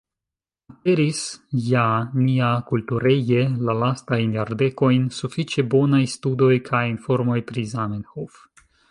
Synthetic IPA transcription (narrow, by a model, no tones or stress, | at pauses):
ape̞ɾisjaniakultuɾe̞je̞lalastajnjaɾde̞ko̞jnsufit͡ʃe̞bo̞najstudo̞jkʰajinfo̞ɾmo̞jpɾizamenhof